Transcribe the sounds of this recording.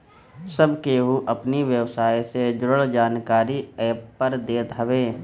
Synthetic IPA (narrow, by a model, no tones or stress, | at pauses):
səbʱkeːɦuʔɐpniʋjəwsaːjsed͡ʒʊɾəɭd͡ʒaːnkaːɾiɛːppəɾd̪eːt̪ɦɐʋeː